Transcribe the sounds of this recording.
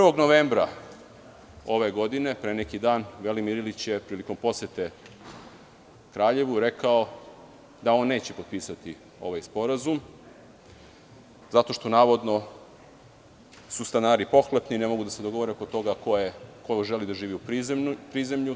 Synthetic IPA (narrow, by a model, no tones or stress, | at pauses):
prʋo̞ɡnoʋeːmbɾa | o̞ʋe̞ɡo̞d̪ine̞pɾenekid̪aːnʋe̞limiɾilit͡ɕjepɾiːliko̞mpo̞set̪e | kɾaːʎe̞ʋuɾe̞kao | d̪ao̞nːe̞ːt͡ɕe̞popiːsat̪i | o̞̰ʋajspo̞ɾazum | zat̪o̞ʃt̪o̞naːʋo̞d̪no̞ | sust̪anaːɾipo̞xlepnine̞mo̞ɡud̪ase̞d̪oɡo̞ʋoɾekot̪o̞ɡakoekojoʒelid̪aʒiːʋiupipɾize̞mʎu